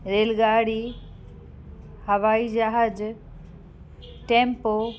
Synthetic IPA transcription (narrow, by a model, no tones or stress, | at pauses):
ɾeːlɡaːɽi | hɐʋaːid͡ʒaɦad͡ʑ | ʈẽːmpo